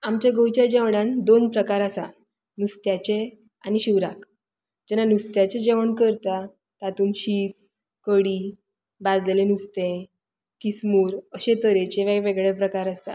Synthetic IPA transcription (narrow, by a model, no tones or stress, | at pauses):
amt͡ɕjaɡəwt͡ɕjad͡ʑɛʋɳãnd̪onpɾəkaɾasa | nust̪jat͡ɕe | aniɕiʋɾak | d͡ʑɛnanust̪jat͡ɕed͡ʑeʋəɳkəɾt̪a | t̪at̪uːmɕiːt̪̚ | kəɽiː | bad͡zlelenust̪ẽ | kismuːɾəɕẽt̪əɾet͡ɕeʋajʋeɡɭepɾəkaɾəst̪a̰